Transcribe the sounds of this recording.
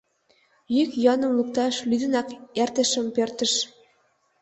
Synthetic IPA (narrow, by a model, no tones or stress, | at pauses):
jykjɑnɤ̆mluk̚t̪ɑʃlyd̪ɘ̆nɑkert̪ɘ̆ʃɘ̆mpørt̪ə̆ʃ